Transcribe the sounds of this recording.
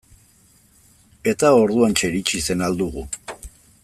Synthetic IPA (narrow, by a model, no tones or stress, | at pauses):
e̞t̪ao̞ɾðuant͡ʃe̞ɾit͡ʃise̞nald̪uɣu